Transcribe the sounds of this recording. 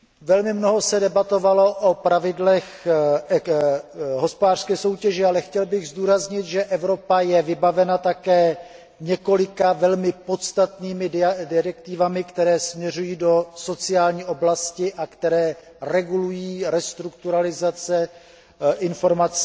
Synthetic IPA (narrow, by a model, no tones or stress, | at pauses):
vɛlmɪmno̞ɦo̞sɛdɛbat̪o̞valo̞ʔopɾavɪdlɛx | ɦo̞spodaːr̥skɛːso̞wcɛʒɛalɛxcɛlbɪɣzduːɾazɲɪt̪ʒɛʔɛvɾo̞pajɛvɪbavɛnat̪akɛː | ɲɛko̞lɪkavɛlmɪpo̞t̪st̪at̪niːmɪdɪɾɛk̚t̪ɪvamɪkt̪ɛɾɛːsmɲɛr̝ujiːdo̞so̞t͡sɪaːlɲiːʔo̞blascɪʔakt̪ɛɾɛː | rɛɡulujiːɾɛst̪ɾukt̪uɾalɪzat͡sɛ | ʔɪnfo̞ɾmat͡s